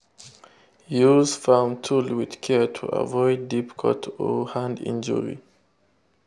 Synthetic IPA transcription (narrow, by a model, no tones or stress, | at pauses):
juzfamtʰulwið̥kʰɛɹtʰṵʔə̰vɔɪdipkʰɔtʰɔhãndḭ̃nd͡ʒə̰ɹḭ